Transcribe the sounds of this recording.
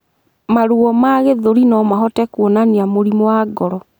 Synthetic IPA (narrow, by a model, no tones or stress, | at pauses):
maɾuɔmaɣeðoɾinɔmaɦɔtɛkwɔnaniamoɾimwaːɡɔɾɔ